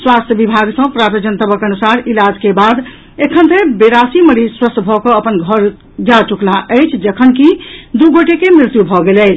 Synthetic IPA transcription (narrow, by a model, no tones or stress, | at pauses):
swast̪ʰjəbibʱaɡsə̃pɾat̪d͡ʒənt̪əbəkənusaɾilad͡ʒkebad̪ | ekʰənt̪ẽbeɾasiməɾiswəst̪bʱɔkɔəpənɡʱəɾ | d͡ʒat͡ʃuklaʔəjt͡ʃʰd͡ʒəkʰənkid̪uɡoʈekemɾɪt̪jubʱɔɡelɛɪt͡ʃʰ